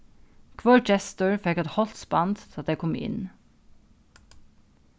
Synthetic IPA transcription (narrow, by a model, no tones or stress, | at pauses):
kʰʋɔd͡ʒɛst̪əɹfɛkɛt̪hɔlt̪spɑnd̪t̪ʰɪlɑt̪̚d̪eɪkʰɔmɪ̰n